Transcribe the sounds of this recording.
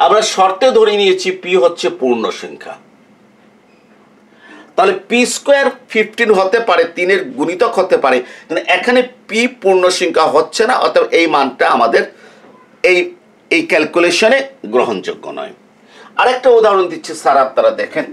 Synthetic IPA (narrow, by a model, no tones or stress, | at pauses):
amɾaʃɔɾt̪ed̪ʱoɾinijet͡ɕʰipiɦotːɕʰepuɾnoʃiŋkʰa̰ | t̪aɦolepiskeaɾfʰifʈinɦot̪epaɾet̪ineɾɡunit̪okɦot̪epaɾekanoʔɛkʰanepipuɾnoʃiŋkʰaɦotːɕʰenaʔɔ̰t̪ʰabʔejmanʈaamad̪eɾ | ej | ejkɛlkuleʃoneɡɾoɦond͡ʑo̰ɡːo̰nɔ̰e | aɾɛk̚ʈaod̪ʱaɾond̪itːɕʰesaɾap̚naɾad̪ɛkʰen